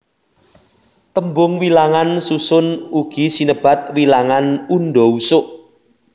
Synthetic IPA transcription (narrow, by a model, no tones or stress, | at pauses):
t̪əmbʊŋwilaŋansusʊnuɡ̥isinəb̥a̤t̪̚wilaŋanunɖɔusʊʔ